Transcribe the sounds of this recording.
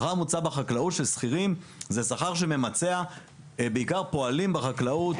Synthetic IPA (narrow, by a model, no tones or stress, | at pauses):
χamut͡sabaχaklautʃelsχiʁim | zesaχaʁʃ̬e̞me̞mat͡se̞a | beikaʁpo̞alimbeχaklaut